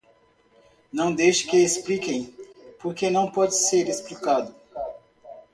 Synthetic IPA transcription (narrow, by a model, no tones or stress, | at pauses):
nɐ̃w̃d̪ejʃɪ̥kɪesplikẽj̃poɾkenɐ̃w̃pɔd͡ʒɪseɾesplikad̪ʊ